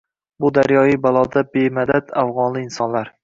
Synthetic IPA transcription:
bʊd̪aɾjɒjɪbalˠɒd̪abemad̪ad̪afʁɒnlɪːnsɒnlaɾ

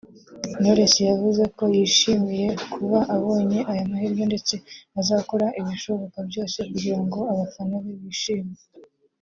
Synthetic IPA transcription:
noɾesijavuze̞ko̞jiːʃimije̞kʰuβaʔaβo̞ːɲe̞ʔajamaɦiɾɡo̞nde̞t͡se̞azako̞ɾaʔiβiʃo̞βo̞kabɟo̞ːse̞kuɟiɾaŋɡo̞aβafanoβeβiːʃiːmi

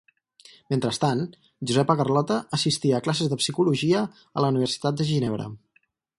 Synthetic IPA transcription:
ment̪ɾəst̪an | ʒuzɛpəkərlɔt̪əəsist̪iəːklasezðəpsikuluʒiə | ələuniβ̞əɾrsi̥t̪at̪̚d̪əʒineβɾə̰

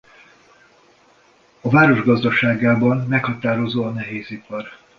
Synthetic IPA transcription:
ɒvaːɾo̞ʒɡɒzd̪ɒʃaːɡaːbɒnːɛkhɒt̪aːɾo̞zoːɒnɛɦeːzipɒr

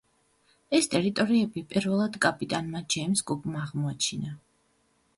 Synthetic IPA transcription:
ɛst̪ʼɛɾit̪ʼɔɾiɛbipʼiɾvɛlˠad̪kʼapʼit̪ʼanmad͡ʒɛjmsɡubmaːʁmɔat͡ʃʰina

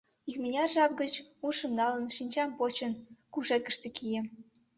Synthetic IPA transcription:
ikminʲɑrʒɑp̚ɡət͡ɕuʃə̆mnɑlənʃinʲt͡ɕɑmpot͡ɕənkuʃet̪̚kə̥̆ʃt̪ĕkʰijĕ

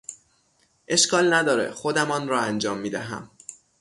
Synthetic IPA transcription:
ʔe̞ʃkɒːlnæd̪ɒːɾḛxod̪æmɒːnɾɒːænd͡ʒɒːmːiːd̪æɦæ̰m

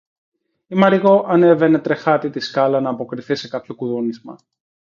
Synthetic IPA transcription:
imɐɾiɣo̞ʔɐne̞ve̞ne̞t̪ɾe̞xɐt̪it̪iskɐlɐnɐːpo̞kɾiθise̞kɐpço̞kuðonizmɐ̰

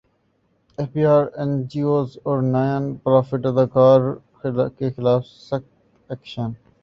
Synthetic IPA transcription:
efbiːaːɾɛ̃nd͡ʒioːzɔːɾnaːjə̃npɾaːfɪʈɐd̪aːkaːɾ | kexɪlaːfsɐkt̪ | ɛkʃən

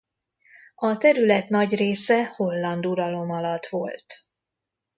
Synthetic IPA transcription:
ɒt̪ɛɾylɛt̪nɒɟreːsɛho̞lːɒnd̪uɾɒlo̞mɒlɒt̪ʋo̞lt̪

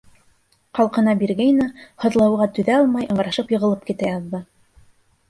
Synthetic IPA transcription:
qɑlˠqɤ̆nɑbiɾɡæjnɑhɤ̆ðlˠɑwʁɑt̪ɵ̆ðæɑlˠmɑjɤ̆ɴɢɑɾɑʃɤpjɤ̆ʁɤ̆lˠɤp̚kit̪æjɑðːɤ

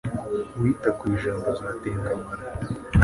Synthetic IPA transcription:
witakwiːʒaːmbozaːteːŋɡamaɾa

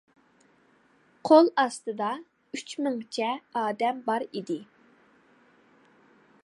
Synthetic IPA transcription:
qʰolˠɑst̪ɨd̪ɑ | yt͡ʃmɪŋt͡ʃʰɛɑːd̪ɛmbɑɾid̪ɪ

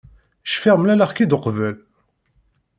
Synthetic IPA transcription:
ʃfiʁmlælaʁkid̪əqvəl

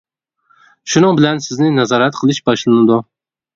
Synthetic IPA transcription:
ʃʊnɨŋbɪlansɪznɪnazɑɾat̪̚qʰɨlˠɪʃbɒʃlˠanad̪ʊ

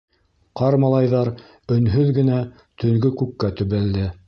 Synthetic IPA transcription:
qɑɾmɑlˠɑjðɑɾ | ɵ̆nɦɵðɡɘ̆næ | t̪ɵ̆ŋɡɵkʉkːæt̪ɵ̆βæld̪ɘ

